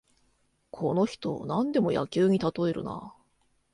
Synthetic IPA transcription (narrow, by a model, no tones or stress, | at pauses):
kʰo̞no̞çi̥t̪o̞̰nãnd̪e̞mo̞ja̰kʲɨːɲ̟it̪at̪o̞e̞ɾɯ̟̰na̰